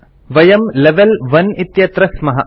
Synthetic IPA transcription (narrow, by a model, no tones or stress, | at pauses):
ʋɐjɐmleʋelʋɐnit̪jɐt̪ɾɐsmɐɦɐ